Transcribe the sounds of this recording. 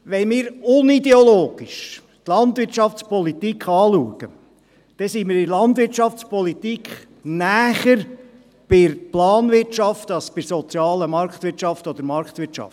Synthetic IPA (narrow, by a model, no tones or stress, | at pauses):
ʋɛnmiːɾʊnid̪ɛoloːɡ̥iʃ | t̪lɑnt̪ʋɪɾtt͡ʃɑft͡spɔlit̪ikχɑːluəɡ̥ə | d̥ɛsiːmɪːɾɪlɑnt̪vʋɪɾt͡ʃɑft͡spɔlit̪ikχ | næːχəɾ | b̥ɪɾplɑːnʋɪɾtʃɑft̪ɑsb̥ɪɾsɔt͡sjɑːləmɑɾkt̪ʋɪɾtʃɑft̪ɔd̪əɾmɑɾkt̪ʋɪɾt͡ʃɑ̰ftt